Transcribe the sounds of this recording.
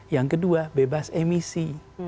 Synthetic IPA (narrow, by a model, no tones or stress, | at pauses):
jaŋkəduabebasɛmisi